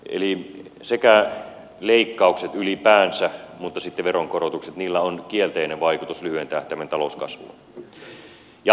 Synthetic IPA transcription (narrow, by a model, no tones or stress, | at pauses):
ʔḛli | sekæ | leikːɑukset̪ylipæːnsæmut̪ːɑsit̪ːeʋeroŋkorot̪ukset̪niːlːæonkielt̪eineʋʋɑikut̪uslyhyent̪æht̪æʋænt̪ɑlouskɑ̰sʋṵn | jɑ